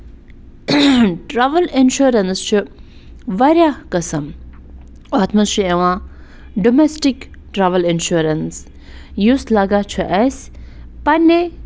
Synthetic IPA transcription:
ʈɾaʋɐlinʃuɾɐnst͡ʃʰu | ʋɐɾjaːkɐsɐm | oːt̪ʰmɐst͡ʃʰueʋãː | ɖomesʈikʈɾaːʋəlinʃuɾɐns | juːslɐɡat͡ʃʰuʔɛspɐnːe

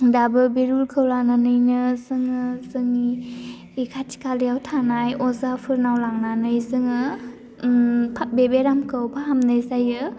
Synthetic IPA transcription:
dabɯbeɾulkʰɯwlananɯjnɯsɯŋɯsɯŋi | ikʰatʰi̥kʰalijawtʰanajɔzapʰɯɾnawlaŋnanɯjsɯŋɯ | pʰat̚bebeɾamkʰɯwpʰaɦamnɯjzajɯ

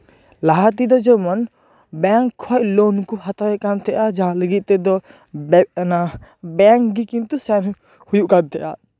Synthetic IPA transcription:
laɦat̪id̪ɔd͡ʒɔmɔn | bɛŋkʰːɔʔloːnkuɦat̪aɛkant̪ʰɛʔad͡ʒaɦãləɡit̪̚t̪ɛd̪ɔ | nabɛŋkɡikĩnt̪usɛn | hujuʔkant̪ʰɛʔa̰

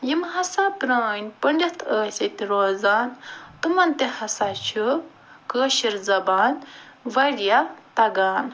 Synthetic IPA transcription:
jimɦɐsapɾaːnʲpɐɳʲdʲɐt̪ʰəːsʲɐt̪iɾoːzaːnt̪umɐnt̪ehɐsat͡ʃʰu | kəːʃiɾzɐbaːnʋɐɽijat̪ɐɡaːn

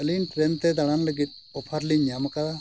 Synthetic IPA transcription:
əlinʈɾɛnt̪ɛd̪aɽ̃aŋləɡit̪̚ˀ | ɔpʰaɾliɲɲamakad̪a

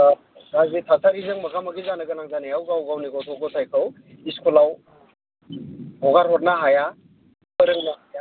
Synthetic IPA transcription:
ɾazitʰasʰaɾizɯŋmɐkʰamɐɡizanɯɡɯnaŋzanijawɡawɡawniɡɔtʰɔɡɔtʰajkʰaw | iskulaw | hɔɡaɾɦɔt̚naɦaja | pəɾɯŋnaaja

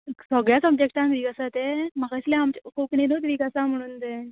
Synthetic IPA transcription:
səɡɭjasəb̚d͡ʑek̚ʈãnt̪ʋiːkasat̪emakaslẽamt͡ɕkokɳinot̪ʋiːkasam̤əɽ̃uːnt̪e

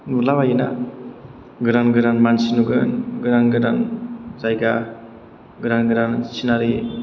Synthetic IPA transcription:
nulabajina̰ | ɡɯɾanɡɯɾanmansinuɡɯnɡɯɾanɡɯɾanzajɡa | ɡɯɾanɡɯɾansinaɾi

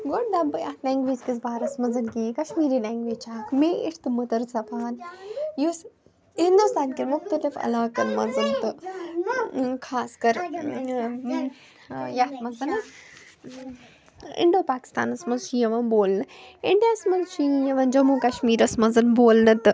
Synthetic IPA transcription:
ɡoɽd̪ɐbjaːt̪ʰlaːŋɡʋeːd͡ʒkizbaːɾɐsmɐzɐnkikɐʃmiːɾiːlaːŋɡʋeːd͡ʒt͡ʃʰaːkmeːʔɪʈt̪ɨmɐt̪ɐɾsɐfʰaːnjus | hɪ̃nd̪ust̪aːnkiɾmʊxt̪ɐlɪfɐ̰laːkɐnmɐzɨnt̪ɨ | kʰaːskɐɾ | jaːt̪mɐzɐn | ɪ̰ɳɖoːpaːkɪ̥st̪a̰ːnɐsmɐnzʃijɐʋɐnboːlnɨɪɳɖjaːsmɐzʃijɐʋɐnd͡ʒɐmuːkɐʃmiːɾɐsmɐzɐnboːlnɨt̪ɨ

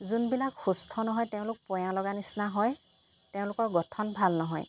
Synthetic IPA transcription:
zunbilakxustʰɔnɔɦɔjteʊ̃lʊk̚pɔjãlɔɡanisnaɦɔj | teʊ̃lʊkɔɹɡɔtʰɔnbʱalnɔɦɔ̰j

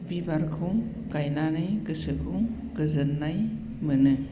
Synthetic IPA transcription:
bibaɾkʰɯŋ | ɡajnanɯjɡɯsɯkʰɯŋ | ɡɯzɯnːaj | mɯnɯ

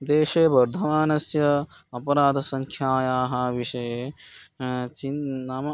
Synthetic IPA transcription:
d̪eːʃeːbɐɾd̪ʱɐʋaːnɐsjɐɐpɐɾaːd̪ʱɐsɐŋkʰjaːjaːɦɐʋiʃɐje | t͡ʃinnaːmɐ

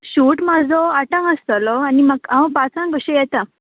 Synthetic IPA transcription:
ɕuːʈmad͡zʱɔaʈãŋəst̪əlɔaniməɡãʋ̃pat͡sãnɡəɕejɛt̪a

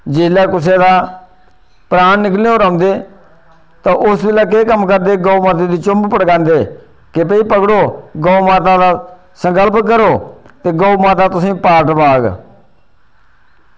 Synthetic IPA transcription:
d͡ʒɪlɛːkʊs̬eːd̪aː | pɾaːnːɪkleːoːɾãːnd̪eː | t̪ãːʔʊsbɪlaːk̬eːkəmkəɾd̪eːɡoːumaːt̪eːd̪iːt͡ʃʊmbpəɽɡãːnd̪eː | kɪpəiːpəkɽoːɡoːmaːt̪aːd̪aː | səŋkəlpkəɾoːt̪eːɡoːumaːt̪aːt̪ʊsĩːpaːɾʈbaːɡ

